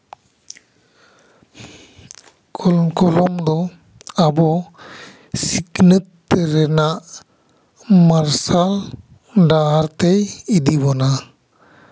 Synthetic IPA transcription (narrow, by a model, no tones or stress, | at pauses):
kʰɔkɔlɔmd̪ɔ | abɔ | siknət̪ːɛɾɛnaʔ | maɾsal | ɖaaɾt̪ɛjid̪ibɔna